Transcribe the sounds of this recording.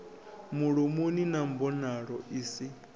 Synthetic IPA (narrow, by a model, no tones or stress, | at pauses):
muɺumuninam̩bɔnaɺɔiːsi